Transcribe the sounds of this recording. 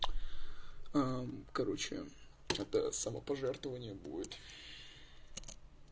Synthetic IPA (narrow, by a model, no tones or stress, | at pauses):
akɐɾo̞t͡ɕɪ̰ | ɛt̪ə̰sɐməpɐʐɛrt̪vəvənʲɪjəbṵdʲɪt̪